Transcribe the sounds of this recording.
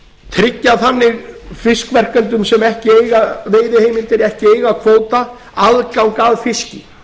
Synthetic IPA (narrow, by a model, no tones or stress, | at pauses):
t̪ʰɾɪcːaθanːɪɣfɪskvɛr̥kɛnt̪ʏmsɛmɛhcɪeːjɣaveːjðɪhejmɪnt̪ɪɾɛhcɪeːjɣakʰvoːwt̪a | aðkawŋkaːðfɪscɪ